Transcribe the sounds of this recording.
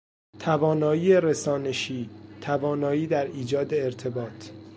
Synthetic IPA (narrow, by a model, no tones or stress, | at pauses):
t̪ʰævɒːnɒːiːeɾesɒːneʃiːt̪ʰævɒːnɒːiːd̪æɾiːd͡ʒɒːd̪e̞ːɾt̪ʰe̞bɒːt̪ʰ